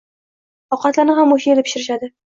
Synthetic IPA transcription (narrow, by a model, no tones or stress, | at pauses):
ɒqɑt̪laɾnɪhamːoʃielɪpʰɪ̥ʃɪɾɪʃad̪ɪ